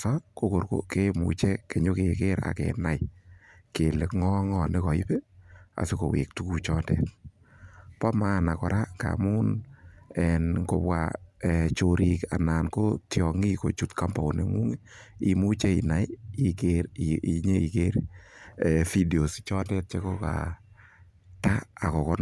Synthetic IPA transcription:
sɔ˦k̚ko˦ko˨ɾko̰˨ke˦mṵ˨t͡ʃe˦ke˨ɲo˦ke˨ke˦ɾa̰˨kḛ˨na˨jke˨lɪ˨kŋɔ˦ŋɔ˨nɪ˦kɔ˨i˦pe˦a̰˨sɪ˦ko˨wḛ˨k̚tu˦ku˧t͡ʃɔ˦ndɛ̰˨t̚ | pɔ˦ma˦na˨kɔ˨ɾʔa˦ŋɡa̰˨muː˦n | ɛnŋko˨pwa̰˨ɛt͡ʃo˨ɾi˨ka̰˨naː˨nko˦tjɔ˨ŋi˦ko˨t͡ʃu˨tka˦mbɔ˨o˨ne˨ŋu˦ŋei˨mu˦t͡ʃe˦i˨na˨jikeɾi˨ɲe˦i˨ke˦ɾɛfi˦de˨o˨st͡ʃɔ˦ndɛ˦t̚t͡ʃe˦ko˦ka̰˨ | ta˦a˨kɔ˨kɔ˦n

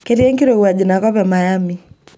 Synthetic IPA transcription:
kɛɾi˦ɛ˦ŋki˦ɾɔ˨wa˨d͡ʒi˨na˨kɔ˦pɛ˨ma˨ja˦mi˦

